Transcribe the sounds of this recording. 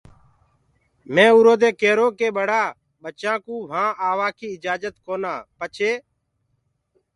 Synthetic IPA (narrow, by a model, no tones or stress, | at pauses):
mẽːuːɾoːd̪eːkeːɾoːkeːɓəɽaː | ɓət͡ʃãːkũːʋãːʔaːʋãːkiːɪd͡ʒaːd͡ʒət̪koːnãːpət͡ʃʰeː